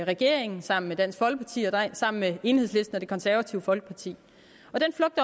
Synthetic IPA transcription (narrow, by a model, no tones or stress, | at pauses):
ʁɛɡ̥e̝ɐ̰eŋn̩sɑ̈m̰n̩med̥æn̰sɡ̥fɒ̽l̰ɡ̥əpʰɑ̈t͡sʰḭːɒsɑ̈m̰n̩mee̝ːnhe̝sle̝sd̥n̩ɒd̥e̝kʰɒ̽nsæɐʋæt͡sʰiʊfɒ̽l̰ɡ̥ə̥pʰɑ̈t͡sʰḭː | ɒ̽d̥enflɔ̽ɡ̥̚d̥ɐ